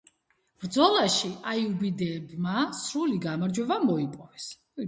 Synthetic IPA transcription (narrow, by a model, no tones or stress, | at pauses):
b̥ɾd̪zɔlˠaʃiajubid̪ɛːbmasɾuliɡamaɾd͡ʒwɛbamɔipʼɔvɛs